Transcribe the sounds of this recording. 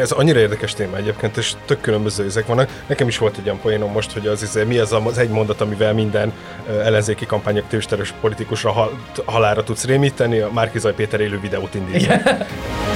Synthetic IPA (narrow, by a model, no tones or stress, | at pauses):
ɛzɒɲːiɾɒeːrd̪ɛkɛʃt̪eːmɒɛɟeːp̚keːnt̪eːʃt̪ø̞kːylømbø̞zøːɛzɛkʋɒnːɒknɛkɛmiʃʋo̞lt̪ɛɟːojɒmpojeːno̞mːo̞ʃt̪ho̞ɟɒzizeːmiɒzɒzɛɟmo̞nd̪ɒt̪ɒmivɛlmind̪ɛn | ɛlːɛnzeːkikɒmpaːɲokt̪øːʃt̪ɛɾøʃpo̞lit̪ikuʃrɒɦ | ɦɒlaːɾɒt̪ut̪sreːmiːt̪ɛniɒmarkizɒjpeːt̪ɛɾeːløːvid̪ɛoːt̪ind̪iːtː